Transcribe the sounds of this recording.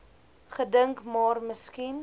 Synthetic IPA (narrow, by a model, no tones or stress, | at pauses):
χədəŋkmɑːrməskin